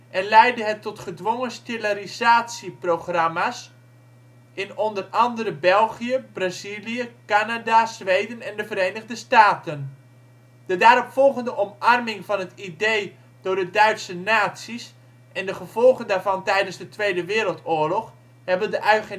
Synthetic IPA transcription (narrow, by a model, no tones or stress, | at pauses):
ʔɛnlɛjdəɦətːɔtχədʋɔŋəstelaɾizaːtsiproχramas | ʔɪnɔndərɑndəɾəbɛlˠχijəbrazilijəkanadazʋejdənɛndəvəɾejnəɣdəstaːtən | d̥ədaːɾɔpfɔlˠχəndəʔɔmɑrmɪŋvɑnɦətidej | d̥ʊːɹdədœɥtsənaːtsis | ʔɛndəχəv̥ɔlˠχəndaːrvɑntɛjdənzdətʋejdəʋɪːɾəlˠtʊːɹlɔχ | hɛbəndəʔœɥχ